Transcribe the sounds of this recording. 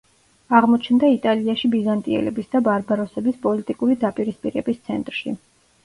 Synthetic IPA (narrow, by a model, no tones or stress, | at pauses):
aʁmɔt͡ʃʰnd̪ait̪ʼaliaʃibizant̪ʼiɛ̰lɛbisd̪abaɾbaɾɔsɛbispʼɔlit̪ʼikʼuɾid̪apʼiɾispʼiɾɛbist̪sʰɛ̰nt̪ʼɾʃḭ